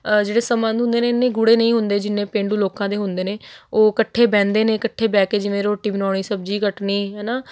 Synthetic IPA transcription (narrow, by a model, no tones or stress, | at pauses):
d͡ʒeːɽeːsəmə̃nd̪ʊ̃nd̪eːneːɪnːẽːɡʊɽeːnəĩːɦʊnd̪eːd͡ʒɪnːẽːpẽːɳɖuːloːkãːd̪eːɦʊnd̪eːneːoːkəʈʰːeːbɛ̃ːnd̪eːneːkəʈʰːeːbɛːkeːd͡ʒɪmeːɾoːʈɪʋnaːɽ̃iːsəb̚d͡ʒiːkəʈniːɦɛːnaː